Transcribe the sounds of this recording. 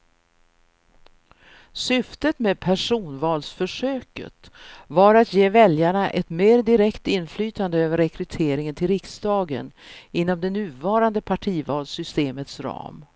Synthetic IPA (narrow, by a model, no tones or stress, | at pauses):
sʏft̪ət̪meːd̪̚pʰæʂuːnvɑːlsfœʂøːkə̰t̪ | vaɾat̪jeːvɛljaɳaʔɛt̪meːɾd̪ɪɾɛkt̪ɪnflyːt̪and̪əøːvəɾːɛkɾɵt̪ʰeːɾɪŋənt̪ʰɪlɾɪksd̪ɑːɡə̰nɪnːɔmd̪ɛnʉ̟ːvɑːɾand̪əpʰaʈʰiːvɑːlsʏst̪eːmət̪sɾɑ̰ːm